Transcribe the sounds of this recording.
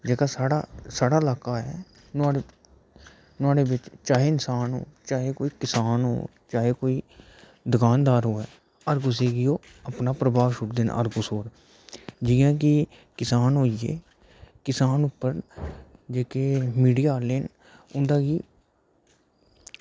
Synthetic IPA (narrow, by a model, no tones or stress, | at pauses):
d͡ʒeːkaːsaːɽa̰saːɽaːɪlaːkaːɛː | nʊaːɽe | nʊaːɽeːbɪt͡ʃt͡ʃaːɦeːɪnsaːnɦo̰ːt͡ʃaːɦeːkoːiːkɪsaːnɦo̰ː | t͡ʃaːɦeːkoːiː | d̪əkaːnd̪aːɾɦoːɛː | əɾkʊs̬eːɡɪjoː | əpnaːpɾəbʱaːʋʃʊʈd̪eːn̰ə̰ɾkʊsoːɾ | d͡ʒiːãːk̬ɪ | kɪsaːnɦoːieː | kɪsaːnʊpːəɾ | d͡ʒeːkeːmiːɖijaːleːn | ʊnd̪aːɡiː